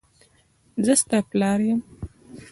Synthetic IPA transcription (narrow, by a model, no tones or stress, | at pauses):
zəst̪aplɑːɾjəm